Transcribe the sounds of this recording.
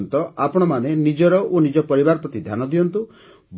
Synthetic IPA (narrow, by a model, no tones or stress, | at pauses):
nt̪ɔapɔɽ̃ɔmanenid͡ʒɔɾɔʔonid͡ʒɔpɔɾibaɾɔpɾɔt̪id̪ʱjanɔd̪ijɔnt̪u | b